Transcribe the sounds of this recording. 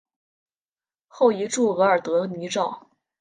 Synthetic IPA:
xo˥˩ʊi˧˥ʈ͡ʂu˥˩ɤ˧˥ə˞˨˩t̪ɤ˧˥ni˧˥ʈ͡ʂɑ˥˩ʊ

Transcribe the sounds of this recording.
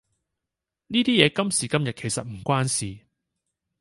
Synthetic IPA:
niː˥t̪iː˥jɛː˨˧kɐ˥msiː˨˩kɐ˥mjɐ˨t̚kʰe˨˩jsɐ˨t̚m̩˨˩kʷaː˥nsiː˨

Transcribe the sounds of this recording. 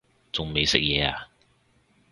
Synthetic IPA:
t͡sʊ˨ŋme˨jsɪ̰˥k̚jɛː˨˧a̰ː˧

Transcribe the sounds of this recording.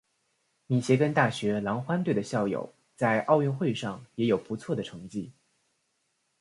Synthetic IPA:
mi˨˩ɕjɛ˧˥kə˥nt̪a˥˩ɕɥɛ˧˥lɑ˧˥ŋxwa˥nt̪we˥˩ɪə˩ɕjɑ˥˩ʊjo̰˨˩˦ʊ | t͡sa˥˧ɪʔɑ˥˧ʊɥɛ˥˧nxwe˥˧ɪʂɑ˥˩ŋjɛ˧˥jo˨˩ʊpu˧˥t͡sʰwɔ˥˩d̪ə˩ʈ͡ʂʰɤ˧˥ŋt͡ɕi˥˩

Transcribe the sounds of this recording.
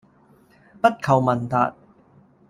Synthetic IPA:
pɐ˥t̚kʰɐ˨˩wmɐ˨˩nt̪a̰ː˨t̚

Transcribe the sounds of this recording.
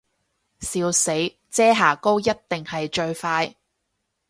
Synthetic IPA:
siː˧wse˨˥j | t͡sɛː˥ɦaː˨˩ko˥wjɐ˥t̚t̪ɪ˨ŋhɐ˨jt͡ʃɵ˧ɥfaː˧j

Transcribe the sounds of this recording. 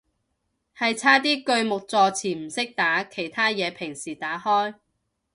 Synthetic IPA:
hɐ˨jt͡sʰaː˥t̪iː˥kɵ˧ɥmʊ˨k̚t͡sɔː˧t͡sʰiː˨˩m̩˨˩sɪ˥k̚t̪aː˨˥kʰe˨˩jt̪ʰaː˥jɛː˨˧pʰɪ˨˩ŋsiː˨˩t̪aː˨˥hɔː˥j

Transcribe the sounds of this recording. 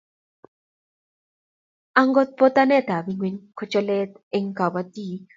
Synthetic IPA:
a˦ŋɡɔ˦t̪̚po˦t̪a˦nɛ˦˨t̪a˨bi˦ŋwi˦ɲko˦t͡ʃɔ˦lɛ˦t̪̚ | ɪ˨ŋka˨wa˨t̪i˦˨

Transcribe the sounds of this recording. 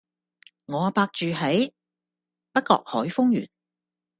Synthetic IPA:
ŋɔː˨˧a˧paː˧k̚t͡ʃyː˨ɦe˨˥j | pɐ˥t̚kɔ̰ː˧k̚hɔ̰ː˨˥jfʊ˥ŋjy̰ː˨˩n

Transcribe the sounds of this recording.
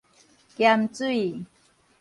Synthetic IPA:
kja˧mt͡swi˥˨

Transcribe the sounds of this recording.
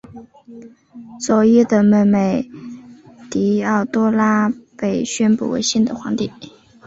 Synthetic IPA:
swɔ˧˥jɛ˥˧d̪ə˨me˧˩me˨˩ɪ | t̪i˧˥ɑ˥˩ʊt̪wɔ˥la˥pe˥˩ɪɕɥɛ˥npṵ˥˩wḛ˧˥ɪɕi˥˩nd̪ə˨xwɑ˧˥ŋt̪i˥˩˦

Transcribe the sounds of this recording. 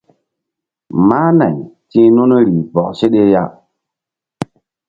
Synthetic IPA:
maː˦na˨ɲtĩ˦nu˦n˦ɾi˨pɔ̰˨k̚se˦ɗe˦ja̰˦

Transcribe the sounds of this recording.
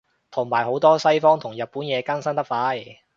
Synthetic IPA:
t̪ʰʊ˨˩ŋmaː˨˩jɦo˨˥wt̪ɔː˥sɐ˥jfɔː˥ŋt̪ʰʊ˨˩ŋjɐ˨t̚pːuː˨˥njɛː˨˧kɐ˥nsɐ˥nt̪ɐ˥faː˧˥j

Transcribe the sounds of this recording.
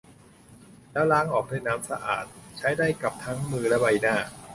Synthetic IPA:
lɛː˦˥wlaː˦˥ŋʔɔː˨˩k̚na˥˩jnaː˦˥msa˧ʔa̰ː˨˩t̪̚t͡ɕʰa˦˥jdaː˥˩jka˨˩p̚t̪ʰa˦˥ŋmɯː˧lɛ˦˥ba˧jnaː˥˩

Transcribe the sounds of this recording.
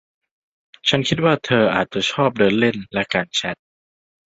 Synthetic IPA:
t͡ɕʰa˦˥nkʰi˦˥t̪̚waː˥˩t̪ʰɤː˧ʔaː˨˩t̪̚t͡ɕa˨˩t͡ɕʰɔː˥˩p̚dɤː˧nle˥˩nlɛ˦˥kaː˧nt͡ɕʰɛ˦˥t̪̚

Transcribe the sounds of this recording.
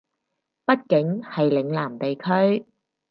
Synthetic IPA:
pɐ˥t̚kɪ˨˥ŋhɐ˨jlɪ˨˧ŋlaː˨˩mt̪e˨jkʰɵ˥ɥ

